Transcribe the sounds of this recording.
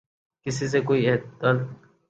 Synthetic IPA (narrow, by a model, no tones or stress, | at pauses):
kɪsis̬ekoːiːeːd̪əl